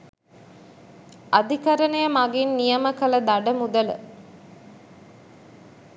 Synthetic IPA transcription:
ad̪ʱikɐɾənɐjəmaɡinːijəməkɐlɐd̪aɖəmud̪ələ̰

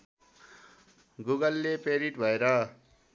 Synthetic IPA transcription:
ɡuɡʌlːepeɾiʈbʱʌeɾʌ

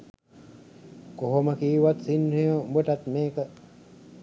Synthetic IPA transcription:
koɦoməkiːʋat̪sinhejobeʈat̪meːkə

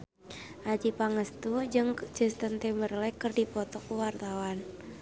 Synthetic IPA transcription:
ʔad͡ʒipaŋəst̪ud͡ʒɨŋd͡ʒ̥ə̤st̪ənt̪ɛmərlɛkərdipɔt̪ɔkuwart̪awan

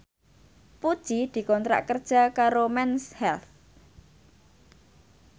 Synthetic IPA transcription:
pud̥ʒ̥id̪̥i̤kɔnt̪ɾa̰ʔkərd̥ʒ̥a̤kaɾomɛnshɛlθ

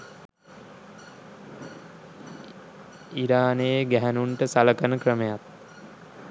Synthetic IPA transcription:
iɾaːnejɡæɦænuɳʈəsaləkənəkrəmejat̪

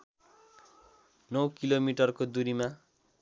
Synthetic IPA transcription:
nʌwkilomiʈʌrkod̪uɾima

